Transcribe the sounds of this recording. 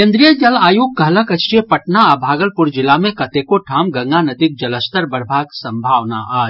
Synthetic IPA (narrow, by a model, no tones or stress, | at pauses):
kẽnd̪ɾijəd͡ʒɐlaːjuɡ̚kəɦləkət͡ʃiəpɐʈnaabʱaːɡəlpʊɾd͡ʒɪlamẽkɐt̪ekoʈʰaːmɡɐ̃ŋɡanɐd̪ik̚d͡ʒɐləst̪əɾbəɾbʱaːɡsə̃mbʱaːʋna̰ʔaː